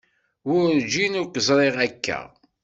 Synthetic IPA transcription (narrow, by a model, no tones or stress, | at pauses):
wʊɾd͡ʒinʊɾkəzˤɾˤeʁækːæ̰